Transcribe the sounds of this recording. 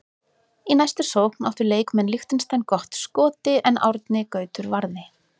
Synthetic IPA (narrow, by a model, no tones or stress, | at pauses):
inajst̪ʏ̥sowkna̰ft̪ʏɾleːjkmɛnlixt̪ɪnst̪ajnkɔht̪skɔːt̪ɪʔɛna̰wɾt̪nɪkœːɥt̪ʏɾvaɾðɪ